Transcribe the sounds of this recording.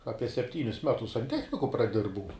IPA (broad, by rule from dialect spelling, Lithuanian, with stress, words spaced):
ˈɑːpʲiɛ sʲɛpʲˈtʲiːnʲʊs ˈmʲæːtʊs sɐnʲˈtʲæːxʲnʲɪkʊ prɐˈdʲɪrbɐʊ